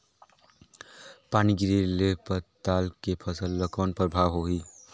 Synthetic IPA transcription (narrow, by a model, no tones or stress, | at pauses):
paːniɡiɾelepəɾt̪aːlkepʰəsəlːəkɔːnpəɾbʱaʋɦoɦi